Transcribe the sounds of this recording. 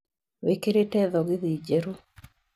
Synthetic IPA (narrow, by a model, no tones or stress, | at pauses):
wekeɾetɛðɔɡɪðid͡ʒeɾu